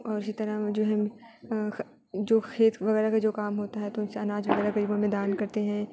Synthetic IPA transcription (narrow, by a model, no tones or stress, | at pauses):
ɔːɾɪsit̪ɐɾəd͡ʒoːɦɛ̃ | d͡ʒoːkʰeːt̪ʋɐɣɛːɾakad͡ʒoːkaːmɦoːt̪aɦɛt̪oʊnseɐnaːd͡ʒʋɐɣɛːɾaɡɐɾiːbõmẽd̪aːnkɐɾt̪eɦɛ̃ː